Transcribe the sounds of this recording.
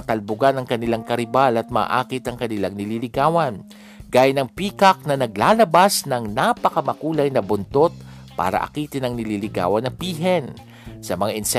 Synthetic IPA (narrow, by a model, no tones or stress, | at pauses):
ɐt̪ɐlbʊɡanɐŋkɐnɪlaŋkɐɾɪbalɐt̪̚ma̰ːʔa̰ːkɪt̪ɐŋkɐnɪlaŋnɪlilɪɡaːwɐn | ɡ̥aːjɐnɐŋpiːkɐk̚nɐnɐɡ̚laːlɐbasnɐŋnapɐkɐmɐkuːlɐjnɐbʊnt̪ot̪̚ | pa̰ːɾɐ̰ʔɐ̰kiːt̪ɪnɐŋnɪliːlɪɡa̰ːwɐnɐŋpiːɦɛn | sɐmɐŋaʔɪnsɛ